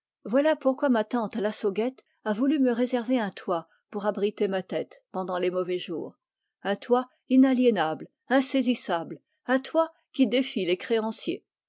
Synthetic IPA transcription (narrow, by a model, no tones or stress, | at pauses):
vwalapuʁkwamat̪ɑ̃t̪lasɔɡɛt̪ | avulyməʁezɛʁveɛ̃t̪ʰwa | puʁabʁit̪emat̪ɛt̪pɑ̃d̪ɑ̃lemɔvɛʒuːʁ | ɛ̃t̪wa | inaljɛnabl | ɛ̃sezisabl | ɛ̃t̪wa | kʲid̪efilekχeɑ̃sjḛ